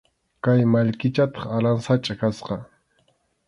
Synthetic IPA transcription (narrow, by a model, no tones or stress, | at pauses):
kajmaʎkɪt͡ʃat̪ɑ̥χalansat͡ʃʼakasqɑ